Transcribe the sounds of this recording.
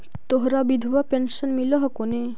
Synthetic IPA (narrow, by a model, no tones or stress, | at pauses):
t̪oɦɾabid̪ʱuʋapenʃənmiləɦəkone